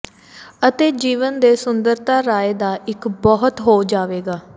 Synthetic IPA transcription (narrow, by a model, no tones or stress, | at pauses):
ət̪eːd͡ʒiːʋənd̪eːsʊnd̪əɾt̪aːɾaːeːd̪aːʔɪkbɔɦət̪ɦoːd͡ʒaːʋeːɡaː